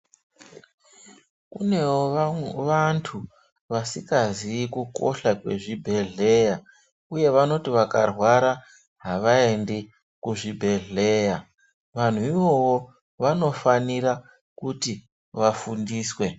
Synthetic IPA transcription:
kune̞woʋantʰu | ʋasikaziːkuko̞ɬakwe̞̰ʐibʱe̞ɮe̞ja | uje̞ʋano̞tiʋakarwaɾa | ɦaʋaendi | kuʐibʱe̞ɮe̞ja | ʋan̤uiwo̞wo | ʋano̞faniɾa | kuti | ʋafundiːswe̞

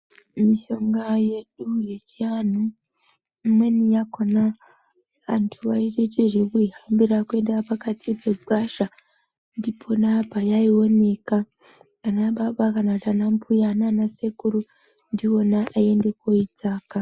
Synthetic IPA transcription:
miʃo̞ŋɡaje̞ɗuje̞t͡ʃianu | mwe̞nijakona̰ː | ntʰuʋaitet͡ʃeʐekuiɦambiɾakwe̞ndapakatʰipʰe̞ɡ͡bʱaʃa | ndipʰo̞napajaiwo̞ne̞kaː | naɓaɓakanakutanampʰujananase̞kuɾu | ndio̞naʔae̞nde̞koitʰaːka

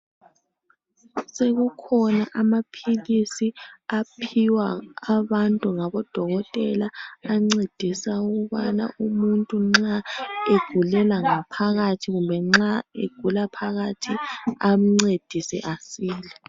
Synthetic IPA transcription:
seɣukʰɔnaʔamapʰilisiapʰiwaaβantʼuŋaβɔd̥ʱɔɣɔtʼɛlaːŋ͡ǀed̥ʱisauɣuβana̰umuntʼuŋ͡ǁaeɡ̥ʱulɛlaŋapʰaɣatʰiɣumbʱɛŋ͡ǁaḛɡ̥ʱulapʰaɣatʰiam̩ŋ͡ǀed̥ʱisɛ̰ʔasiːlɛ

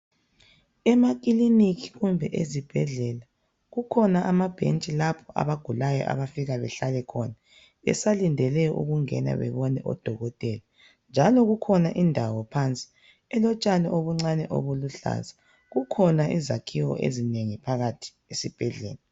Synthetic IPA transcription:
ɛmak̬ʼiliniɣʰiɣumbʱɛʔezib̥ʱɛɮɛla | ɣukʰɔnaʔamab̥ʱḛnt͡ʃʼilapʰɔʔa̰βaɡ̥ʱulajɔ̰ʔa̰βafiɣaβɛɬalɛkʰɔna | ɛ̰salindʱɛlɛʔṵɣuŋɛ̰na̰βɛ̰βɔnɛʔɔ̰d̥ʱɔɣɔtʼɛla | nd͡ʒʱalɔɣukʰɔnaʔindʱawɔpʰant͡sʼi̥ | ɛlɔt͡ʃʼanɛʔoβuŋ͡ǀanɛʔo̰βuluɬa̰za | ɣukʰɔnaʔizakʰiwɔ̰ʔḛzineŋipʰaɣatʰi̥ | esib̥ʱɛɮɛ̰ːla

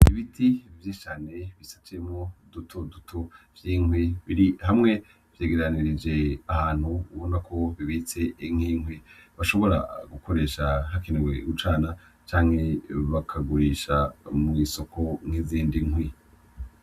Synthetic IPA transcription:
iβitʰivjit͡ʃaːneβisḁt͡ʃemŋodutʰodutʰovjiːŋwiβiɾihamŋe̞ | vjeːɡeɾaniɾid͡ʒe̞ahaːn̥huːβo̞nakʰo̞βiβit͡se̞iŋ̥iːŋwiβaʃo̞βo̞ɾa̰ɡukʰo̞ɾe̞ːʃahakeneɡwḛut͡ʃaːna | t͡ʃaːŋhe̞βakʰaɡuɾiːʃamwiso̞kʰo̞ŋ̥iziːndiŋwi

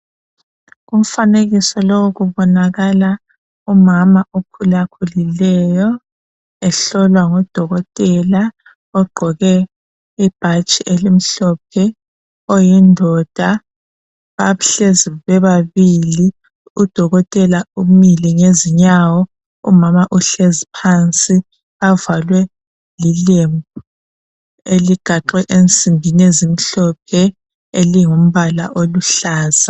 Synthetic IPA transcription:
ɣum̩faneɣisɔlɔwɣuβɔnaɣala | umamaʔukʰulakʰulilɛjɔ | ɛɬɔlwaŋɔd̥ʱɔɣɔtʼɛla | ɔɡ͡ǃʱɔɣɛ | ib̥ʱat͡ʃʼiʔelim̩ɬɔp̚ʰɛ | ɔjindʱɔd̥ʱa | βaβuɬeziβɛβaβili | ud̥ʱɔɣɔtʼɛlaumiliŋeziɲawɔ | ṵmamaʔuɬezipʰant͡sʼi | avalwɛ | lilembʱu | eliɡ̥ʱaǃɛʔent͡sʼimbʱinezim̩ɬɔp̚ʰɛ | eliŋom̩βala̰ʔoluɬaːz̥a

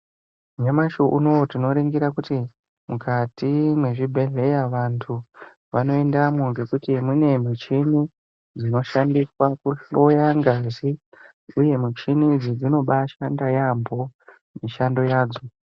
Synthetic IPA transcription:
ɲamaʃoʔunotino̞ɾiŋɡiɾakuti | mukatʰimwe̞ʐibʱe̞ɮe̞jaʋantʰu | ʋano̞endamoɡekutimune̞mut͡ʃini | d͡zino̞ʃandiswakuɬojaŋɡazi | uje̞mut͡ʃinid͡zid͡zino̞ɓaʃandajambʱo̞ | miʃando̞jaːd͡zo̞

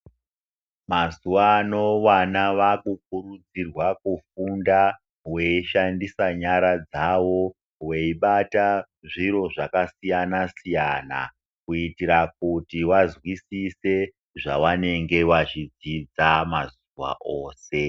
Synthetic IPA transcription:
mazuʋaːno̞ʋanaʋakuk̚uɾud͡zirwakufunda | we̞iʃandisaɲaɾad͡zaʋo̞ | we̞iɓata | ʐiɾo̞ʐakasijanasijaːna̰ | kuitiɾak̚utiwazwisise | ʐaʋane̞ŋɡe̞ʋat͡ʃid͡zid͡zamaz | uʋa̰ʔoːse̞

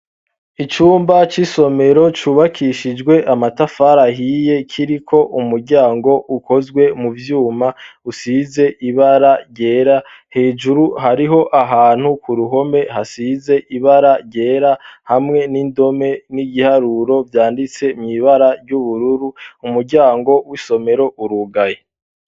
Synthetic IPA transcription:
it͡ʃuːmbat͡ʃiso̞me̞ɾo̞t͡ʃuːβakʰiʃid͡ʒɡwe̞ʔamatafaɾaɦije̞kʰiɾikʰo̞ʔumuɾɟaːŋɡo̞ʔukʰo̞zɡwe̞muvjuːmausize̞ʔiβaɾaɾɟe̞ːɾa | he̞ːd͡ʒuɾuɦaɾiɦo̞ʔaɦaːn̥hukʰuɾuɦo̞me̞hasize̞ʔiβaɾaɾɟe̞ːɾahamŋe̞niːndo̞me̞niɡihaɾuɾo̞vjaːndit͡se̞mɲiβaɾaɾɟuβuɾuɾuumuɾɟaːŋɡo̞wiso̞me̞ɾo̞ʔuɾuɡaje

